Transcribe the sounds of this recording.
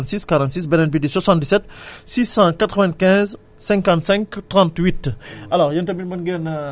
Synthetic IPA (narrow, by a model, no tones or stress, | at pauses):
t̪siskaʁɑ̃nt̪sis̬bɛnɛnpideswasɑ̃nt̪̚d̪isɛt̪sisɑ̃kat̪ʁəvɛ̃nkɛ̃z | sɛ̃ŋkɑ̃nt̪sɛ̃ŋktʁɑ̃nt̪wit̪alɔʁjɐntɐbinbɐnɡɛn